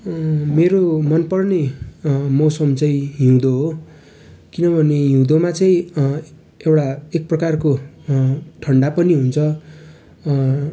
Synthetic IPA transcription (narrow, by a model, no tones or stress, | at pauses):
meɾomʌnpʌrne | mʌwsʌmt͡sʌĩɦiũd̪oɦo | kinʌbʱʌneɦĩd̪omat͡sʌĩ | ewʈaek̚prʌkarko | ʈʰʌɳɖapʌniɦunt͡sʰʌ